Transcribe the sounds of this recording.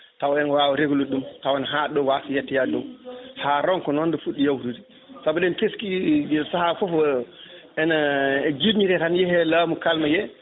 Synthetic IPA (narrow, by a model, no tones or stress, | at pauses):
tawɔɛnwawaɾeɡuluɗumtawanɦaɗɔwafijɛtːijadɔwhaːɾɔŋkɔnɔndɔfuɗːijawtudi | sabɔɗɛnkeskid͡ʒɛsahafɔfɔ | ɛnad͡ʒiɲiɾɛtanjɛhɛlaːmukalmajɛ